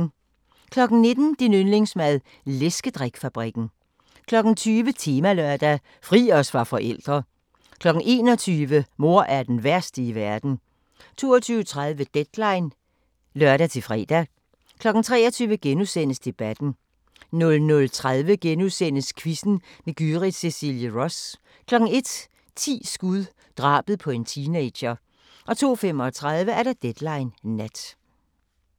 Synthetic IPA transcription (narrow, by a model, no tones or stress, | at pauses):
kʰlɒ̽ɡ̥n̩ne̝d̥n̩d̥inønle̝ŋsmæðˠ | lesɡ̥əd̥ʁaɡ̥fæb̥ʁiɡ̥n̩ | kʰlɒ̽ɡ̥n̩t͡sʰyːʋət͡sʰiːmælœɐd̥æ | fʁḭːɒ̽sʋɑ̈fɒ̽ʔel̰d̥ʁɐ | kʰlɒ̽ɡ̥n̩ʔe̝̰ːnɒ̽t͡sʰyːʋəmo̝ɐ̰ʔæɐd̥enʋæɐsd̥əiʋæɐd̥n̩ | t͡sʰo̝̰ːɐt͡sʰyːʊət͡sʰʁað̞ˠʋəd̥ed̥lɑ̈ɪn | lɶɐɾ̥æt͡sʰe̝lfʁɛ̰ːd̥æ | kʰlɒ̽ɡ̥n̩t͡sʰʁɛ̰ːɒt͡sʰyːʊəɡ̥enusen̰əsd̥e̝b̥æd̥n̩ | nɔ̽lnɔ̽lt͡sʰʁaðˠʋəɡ̥enusen̰əskʰʋisn̩meɡ̥yʁi̥sesiljəʁɔ̽s | kʰlɒ̽ɡ̥n̩e̝d̥ | t͡sʰḭːsɡ̥uðˠ | d̥ʁɑ̰̈ːb̥əð̞̩ˠpʰɒ̽e̝nt͡sʰiːne̥ɕɐ | ʔɒ̽t͡sʰo̝̰ːfem̰ɒt͡sʰʁaðˠʋəæɐɾ̥ɑd̥ed̥lɑ̈ɪnːæd̥